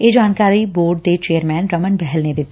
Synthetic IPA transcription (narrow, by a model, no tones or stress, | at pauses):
jed͡ʒaːnkaːɾiboːɾɖd̪et͡ʃeːəɾmɛ̃ːnɾɐmənbɛɦɛlned̪ɪt̪